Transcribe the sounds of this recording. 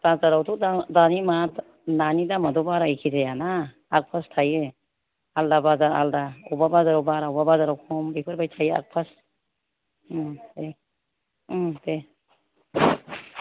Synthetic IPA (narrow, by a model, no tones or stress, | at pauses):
b̥azaɾawtʰudadanimat | nanidamadɔbaɾajkʰizajanaː | k̚pʰastʰajɯ | aldabazaɾa̰ldaubabazaɾɔbaɾaubabazaɾawkʰɔmbikʰɯɾbajtʰaja̰k̚pʰas | te | te